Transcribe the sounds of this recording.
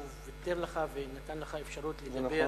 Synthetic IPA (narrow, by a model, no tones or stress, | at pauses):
vet̪eʁleχavenat̪anleχaefʃaʁutleɡabe